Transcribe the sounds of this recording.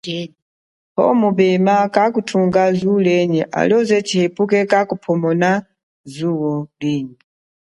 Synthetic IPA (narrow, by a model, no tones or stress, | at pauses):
hɔ̰muɓɛmakakutʰuŋɡazulɛɲɛʔa̰lɔzɛt͡ʃʰihepukɛkakupʰɔmɔna | zuwɔliːɲɛ